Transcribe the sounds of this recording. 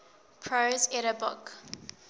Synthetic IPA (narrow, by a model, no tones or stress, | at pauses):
pʰɹozɛɾəbʊk